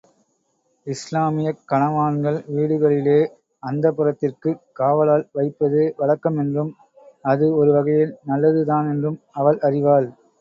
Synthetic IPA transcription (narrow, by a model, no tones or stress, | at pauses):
ɪslaːmɪjɐkːɐɳɐʋaːnɡɐɭʋiːɽɯɣɐɭɪleː | ɐnd̪ɐpːɯɾɐt̪ːɪrkɯkaːʋɐlaːlʋɐɪpːɐðɯʋɐɭɐkːɐmɛndrɯm | ɐðɯɔɾɯʋɐɣɐjɪlnɐlːɐðɯðaːnɛndrɯm | ɐʋɐɭʔɐrɪʋaːl